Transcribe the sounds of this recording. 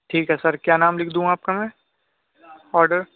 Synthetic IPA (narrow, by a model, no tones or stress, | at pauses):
ʈʰiːkɦɛsɐɾkjaːnaːmlɪkʰd̪ũɦaːp̚kamɛ̃ː | ɔːɾɖəɾ